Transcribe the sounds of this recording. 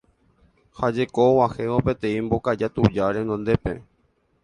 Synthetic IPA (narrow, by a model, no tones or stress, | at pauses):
had͡ʒekowaheʋopet̪ẽ̞ĩmbo̞kad͡ʒat̪ud͡ʒaɾenõnd̪epḛ